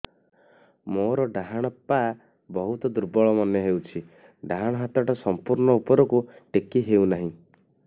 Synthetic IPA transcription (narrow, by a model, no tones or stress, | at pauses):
moɾɔɖaɦaɽ̃ɔpa | bɔɦut̪ɔd̪uɾbɔɭɔmɔnjɔɦewt͡ʃʰi | ɖaɦaɽ̃ɔɦat̪ɔʈɔsɔmpuɾɳɔupɔɾɔkuʈekiɦewnaɦĩ